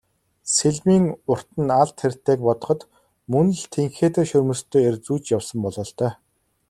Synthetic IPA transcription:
seɮmiːŋʊr̥t̪ə̆naɮt̪xer̥ʲt̪eːk̚pɔt̪ɞ̆χɞ̆t̪ | mɵn̆ɮt̪ʰeŋxeːt̪ĕːʃɵrmɵ̆st̪ʰːoːert͡suːt͡ɕjawsə̆mpɔɮɞɔːɬt̪œː

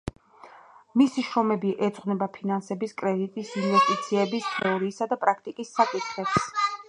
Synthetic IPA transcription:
misiʃɾɔmɛbiʔɛd̪sʼχʼnɛbapʰinansɛbiskʼɾɛd̪it̪ʼisinvɛst̪ʼit̪sʰiɛbist̪ʰɛɔɾiːsad̪apʼɾak̚ʰt̪ʼikʼisːakʼit̪ʰχɛps

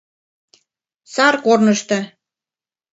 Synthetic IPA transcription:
sɑrkornə̆ʃt̪ɤ̆

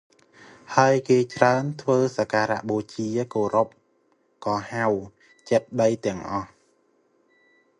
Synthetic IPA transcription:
haəjkeːt͡ɕraənt̪ʰʋəːsakaːɾa̰ʔɓoːt͡ɕiəkoːɾop̚ | kɑːhaw | t͡ɕət̪̚ɗəjt̪ɛ̆əŋʔɑh

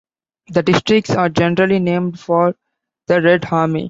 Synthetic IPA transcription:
d̪əɖɪsʈɾɪk̚ʈsaːɾd͡ʒɛnəɾəlinẽːmɖfɔːɾ | d̪əɾeɖhaːɾmḭ

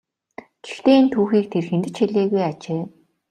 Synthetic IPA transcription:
ɡ̥ext̪eːint̪ʰuːxiːk̚t̪ʰerxent̪ɘ̆t͡ɕxeɮeːɣujat͡ɕeː

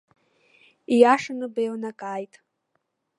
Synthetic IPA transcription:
ijaʂanɨbejwnakʼaːjtʼ

